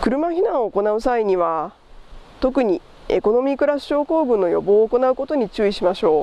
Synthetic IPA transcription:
kɯ̟ɾɯ̟maçinãɰ̃o̞ːko̞naɯ̟saiɲ̟iβ̞a | t̪o̞k̬ɯ̟ɲ̟i | e̞̰ko̞no̞mʲikɯ̟ɾasɨ̥ɕo̞ːko̞ːɡɯ̟nːo̞jo̞̰bo̞ːko̞naɯ̟ko̞t̪o̞ɲ̟it͡ɕɨːiɕimaɕo̞ː

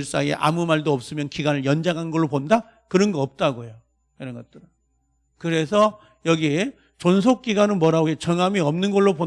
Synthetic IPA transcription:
ɭs͈ajḛʔa̰mumaɭdoʌp̚s͈ɯmjʌnkiɡanɯɭjʌnd͡ʑaŋɦannɡʌɭːoponda | kɯɾʌnɡʌʌp̚t͈aɡojo | iɾʌnɡʌt͈ɯɾɯ | kɯɾe̞sʰʌ | jʌɡi | t͡ɕons̬ʰok̚k͈iɡanɯnmwʌɾaboɡet͡ɕʌŋamiʌmnɯnɡʌɭːopo

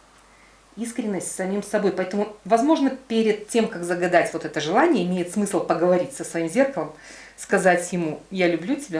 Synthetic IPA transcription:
iskɾʲɪnːəsʲtʲsɐmʲimsɐbo̞jpɐɛt̪əmʊvɐzmo̞ʐnəpʲeɾʲɪd̪̚tʲːe̞mkakzəɡɐd̪atʲvo̞t̪ɛt̪əʐɨlˠanʲɪjəɪmʲejɪt̪smɨsl̩ˠpəɡəvɐɾʲitʲsəsvɐimzʲe̞rkəlˠəm | skɐzatʲjɪmujalʲʊblʲutʲɪbʲa

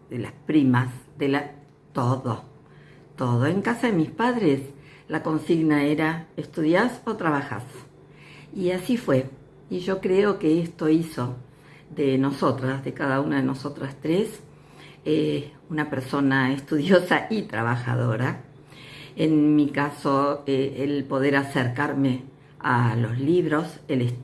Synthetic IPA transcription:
ðela̰spɾimasðela | t̪oðo | t̪o̞ðo̞eŋkasaðemispaðɾes | lako̞nsiɣnaeɾaest̪uðjaso̞t̪ɾaβaxa̰s | iasifwe̞ | iʒo̞kɾeo̞keest̪o̞iso̞ | ðeno̞so̞t̪ɾazðekaðaunaðenoso̞t̪ɾast̪ɾes | e | unapeɾso̞naest̪uðjosaʔit̪ɾa̰β̞axa̰ðo̞ɾa | enmikaso̞eelpo̞ðeɾaseɾkaɾme | a̰lo̞zliβɾo̞seles

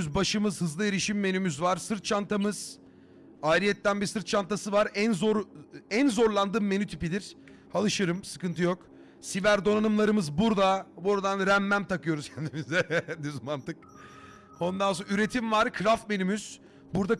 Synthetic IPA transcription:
yzbaʃɯmɯzhɯzlˠɯeɾiʃimːe̞nymyzvaɾsɯɾt̪̚t͡ʃʰant̪ʰamɯz̥ | aːɾijɛt̪ːænbisɯɾt̪̚t͡ʃʰant̪ʰasɯvaɾænzoɾænzo̞ɾlˠand̪ɯːmːe̞nyt̪ʰipid̪iɾ̥ | alˠɯʃɯɾɯmsɯ̥kɯnt̪ʰɯjo̞k | sivæɾd̪o̞nanɯmlˠaɾɯmɯzbuɾd̪abuɾad̪anɾæmːæmt̪ʰakɯjo̞ɾuz̥cʰɛnd̪imizɛd̪yzmant̪ɯk̚ | onnd̪ansonyɾe̞t̪ʰimvaɾkʰɾafme̞nymyz̥ | buɾd̪a

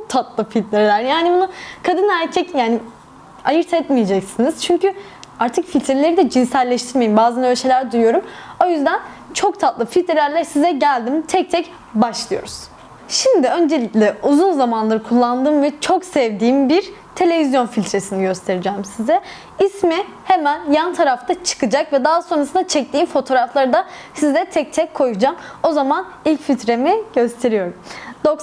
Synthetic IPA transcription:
ok̚t̪ʰat̪lˠɯfilʲt̪lɾelʲæɾjaːnibunukʰad̪ɯnæɾcʰɛcjaːni | ajɯɾt̪ʰɛt̪mije̞d͡ʒɛcsiniz̥t͡ʃʰyɲcʰy | aɾt̪ʰɯkfilʲt̪ɾelʲe̞ɾid̪ɛd͡ʒinsælʲːɛʃt̪ʰiɾmejimbaːzanølʲʃelʲæɾd̪ujujo̞ɾumo̞jyzd̪æn | t͡ʃʰo̞k̚t̪ʰat̪lˠɯfilʲt̪ɾelʲæɾlʲæsizɛɟælʲd̪imt̪ʰɛc̚t̪ʰɛc | baʃlˠɯjo̞̰ɾuz̥ | ʃimd̪iø̞nd͡ʒe̞lʲiclʲɛuzunzamanlˠaɾɯkʰulˠːand̪ɯːmvɛt͡ʃʰo̞ksɛvd̪iːmbiɾt̪ʰe̞lʲe̞vizjo̞nfilʲt̪ʰɾe̞siniɟøst̪ʰe̞ɾid͡ʒɛːmsizɛ | ismi | hemænjant̪ʰaɾaft̪ʰat͡ʃʰɯ̥kʰɯd͡ʒakvɛd̪aɦso̞nɾasɯnd̪at͡ʃʰɛc̚t̪ʰiːmfo̞t̪ʰo̞ːɾaflˠaɾɯd̪asizɛt̪ʰɛc̚t̪ʰɛc̚ʰːo̞jud͡ʒamo̞zaman | ilʲcfit̪ɾe̞miɟ̥ø̞st̪ʰe̞ɾijo̞ɾumd̪̥ok

